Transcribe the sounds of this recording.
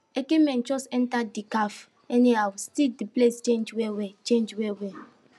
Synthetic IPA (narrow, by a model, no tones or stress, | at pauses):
ekemɛ̃nt͡ʃɔsɛ̃ntadikaf | ɛniawstidiplest͡ʃẽnd͡ʒwewet͡ʃẽnd͡ʒwewe